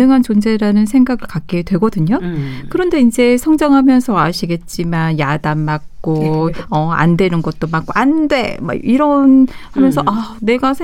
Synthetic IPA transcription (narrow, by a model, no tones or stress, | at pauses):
ɯŋɦant͡ɕond͡ʑe̞ɾanɯnsʰeŋɡaɡɯɭkak̚k͈edwe̞ɡʌdɯɲokɯɾʌnde̞ind͡ʑe̞sʰʌŋd͡ʑaŋɦamjʌnsʰʌaɕʰiɡe̞t̚t͡ɕ͈imanjadammak̚k͈oʌa̰ndwe̞nɯnɡʌt̚t͈omak͈oʔandwe̞ma̰iɾʌnhamjʌnsʰʌʔane̞ɡasʰ